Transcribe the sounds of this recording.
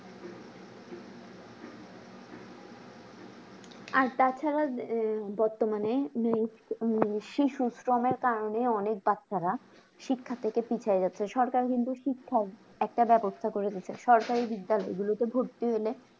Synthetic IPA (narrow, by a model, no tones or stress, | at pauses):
aɾt̪at͡ɕʰaɾabɔɾt̪omanemi | ʃiʃusɾomeɾkaɾoneɔnek̚batːʃaɾa | ʃikʰːat̪ʰekepit͡ɕʰaed͡ʑatːɕʰeʃɔɾkaɾkint̪uʃikʰːa | ɛk̚ʈabɛbost̪ʰakoɾed̪it͡ɕʰeʃɔɾkaɾibid̪ːalɔeɡulot̪ebʱoɾt̪iɦele